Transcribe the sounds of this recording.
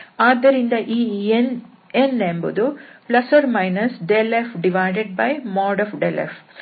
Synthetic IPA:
aːd̪ːɐɾind̪ɐʔiːn | enembud̪uplɐsɐɾmɐjnɐsɖelefɖiʋajɖeɖ̚bɐjmɔːɖɔfɖelḛf

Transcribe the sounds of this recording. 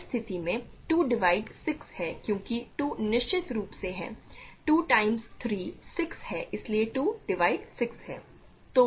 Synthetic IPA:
st̪ʰɪt̪imẽʈuːɖɪʋaːɪɖsɪkshɛːkjõːkiʈuːnɪʃt͡ʃɪt̪ɾuːpseɦɛ̰̃ːʈuːʈaːɪmzt̪ʰɾiːsɪkshɛːʔɪslieʈuːɖɪʋaːɪɖsɪksɦɛ̰ː | t̪oː

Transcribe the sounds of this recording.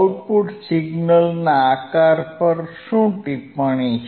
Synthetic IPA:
lpuʈsiɡnəlnaːkaɾpəɾɕũt̪ipəɳ̃i

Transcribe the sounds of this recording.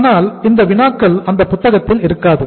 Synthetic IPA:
naːlɪnd̪ɐʋɪnaːkːɐlɐnd̪ɐpːʊt̪ːɐɣɐt̪ːɪlɪɾɯkːaːðɯ

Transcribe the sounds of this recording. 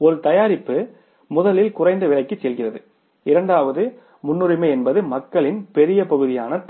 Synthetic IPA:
ɔɾɯt̪ɐjaːɾɪpːɯ | mʊðɐlɪlkʊrɐɪnd̪ɐʋɪɭɐɪkːɯt͡ʃːɛlɣɪrɐðɯ | ɪɾɐɳɖaːʋɐðɯ | mʊnːɯɾɪmɐɪɛnbɐðɯmɐkːɐɭɪnpɛɾɪjɐpɐɣɯðɪjaːnɐt̪

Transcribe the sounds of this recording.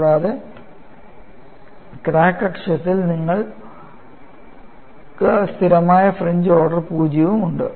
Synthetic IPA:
ɽaːðe | kɾaːkːrɐkʂɐt̪ːilniŋːɐɭ | kɨst̪ʰiɾɐmaːjɐfreɲd͡ʑo̞ːɽɐrpuːd͡ʑjɐʋumuɳɖɨ

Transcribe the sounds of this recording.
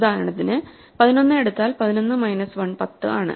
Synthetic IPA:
d̪ʱaːɾɐɳɐt̪ːinɨ | pɐðino̞nːɨe̞ɽut̪ːaːlpɐðino̞nːɨmɐjnɐsʋɐɳpɐt̪ːɨʔaːɳɨ̰

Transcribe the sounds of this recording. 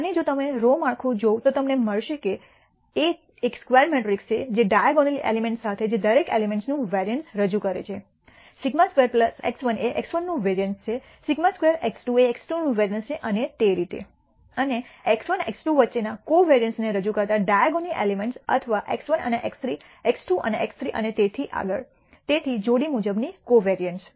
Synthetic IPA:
əned͡ʒot̪əmeɾomaɽkʰũd͡ʒot̪ot̪əmneməɭʃeke | e | ekskʋeɾmɛʈɾikst͡ʃʰed͡ʒeɖajaɡonilḛlimẽɳʈsat̪ʰed͡ʒed̪əɾekḛlimẽɳʈsnũʋɛɾiənʈsɾəd͡ʒukəɾḛt͡ʃʰe | siɡmaskʋeɾpləsḛksʋəneʔeksʋənːũʋeɾijənst͡ʃʰe | siɡmaskʋeɾeksʈueːksʈunũʋeɾijənst͡ʃʰeʔənet̪eɾit̪ḛ | əneeksʋənḛksʈuʋətːʃenakoʋeɾijənsneɾəd͡ʒukəɾt̪aɖajaɡoniʔelimeɳʈsə̰t̪ʰəʋaʔeksʋənə̰neʔekst̪ɾi | eksʈuʔə̰neʔekst̪ɾiʔə̰net̪et̪ʰiʔa̰ɡəɭ | t̪et̪ʰid͡ʒoɽimud͡ʒəbnikoʋeɾijəɳʈs

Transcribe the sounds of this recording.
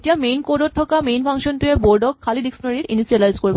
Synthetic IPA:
ʈijamejnkoɖoʈʰːɔkamejnfʰaŋʃont̪ieboɾɖokʰːaliɖiksnoɾiɾinisialajzkoɾbe

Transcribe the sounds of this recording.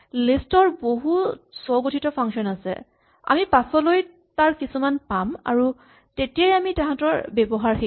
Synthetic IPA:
listɔɹboɦusɔwɡotʰitɔpʰaŋsɔnasɛ̰ | a̰mipasɔloj | taɹkisumanpama̰ɹu | tetijajamitɛɦãtɔɹbɛbɔɦaɹxi

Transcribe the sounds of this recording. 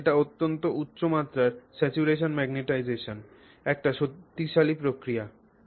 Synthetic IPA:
eʈaot̪ːont̪oʔutːɕomat̪ːɾaɾsɛt͡ɕuɾeʃonmɛɡneʈajd͡ʑeʃon | ɛk̚ʈaʃot̪ːiʃalipɾokɾija

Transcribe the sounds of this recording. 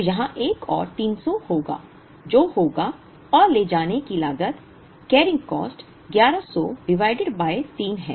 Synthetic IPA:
jɐɦãʔeːkɔ̰ːɾt̪iːnsɔhoːɡa̰ː | d͡ʒoːhoːɡa | ɔːɾleːd͡ʒaːnekilaːɡət̪ | kɛːɾɪ̃ŋɡkɔ̰ːsʈ | ɡjaːɾasɔɖɪʋaːɪɖɪɖbaːet̪iːnɦɛ̃ː

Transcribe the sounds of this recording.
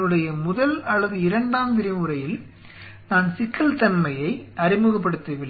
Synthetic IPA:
ɯɽɐjɐmʊðɐlɐlːɐðɯɪɾɐɳɖaːmʋɪɾɪmɯɾɐjɪl | naːnsɪkːɐlt̪ɐnmɐjɐɪʔɐɾɪmɯɣɐp̬ːɐɽɯt̪ːɐʋɪlːɐ

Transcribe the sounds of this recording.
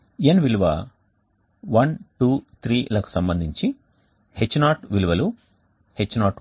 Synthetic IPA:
enʋiluʋɐ̰ | ʋɐnʈuːt̪ʰɾiːlaːku̥sɐmbɐnd̪ʱiɲt͡ʃi | het͡ʃːunaːʈʋiluʋɐlu | het͡ʃːunaːʈ

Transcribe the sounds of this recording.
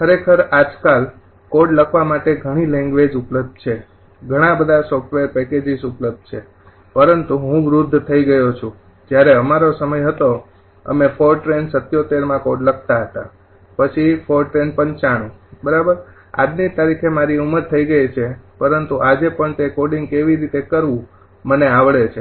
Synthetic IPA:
kʰəɾekʰəɾad͡ʒkal | koɖləkʰʋamaʈeɡʱəɽ̃ilɛ̃ŋɡʋed͡ʒupləb̚d̪̚ʱt͡ʃʰe | ɡʱəɽ̃ãbəd̪ʱasɔfʈʋeɾpɛked͡ʒisupləb̚d̪̚t͡ʃʰe | pəɾənt̪uɦũʋɾud̪ʱt̪ʰəiɡəjot͡ʃʰũ | d͡ʒjaɾeəmaɾosəməjɦət̪o | ə̰mefoɾʈɾensət̪jot̪eɾmãkoɖlək̚ʰt̪aɦət̪a | pət͡ʃʰifoɾʈɾenpənt͡ʃaɽ̃ũbəɾabəɾ | a̰d͡ʒ̪nit̪aɾikʰemaɾiuməɾt̪ʰəiɡəjt͡ʃʰepəɾənt̪uʔad͡ʒepəɳt̪ekoɖĩŋɡ̚keʋiɾit̪ekəɾʋũ | məneaʋɭet͡ʃʰe

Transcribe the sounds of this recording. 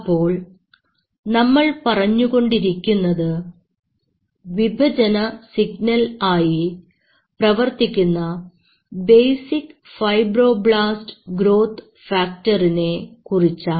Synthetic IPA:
pːo̞ːɭ | nɐmːɐɭpɐrɐɲːuɣo̞ɳɖiɾikʲːunːɐðɨ | ʋibʱɐd͡ʑɐnɐsiɡnɐlaːji | prɐʋɐrt̪ikʲːunːɐ | bejsikfɐjbro̞ːbɭaːstɡɾo̞ːt̪ʰ | faːk̚tɐrine̞kurit͡ɕːa

